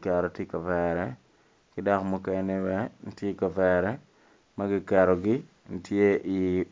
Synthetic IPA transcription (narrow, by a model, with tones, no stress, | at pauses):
kɛ˨ɾɔ˨tje˦kɐ˨vɛɾɛ˦ | kɪ˦dɔ˦kmu˦kɛ˨ne˦wɛ˦n̩˦tje˦ka˨vɛɾɛ˦ | mɐ˦ɡɪ˦kɛ˨ɾɔ˨ɡɪ˦ | n̩˨tje˦ʔi˨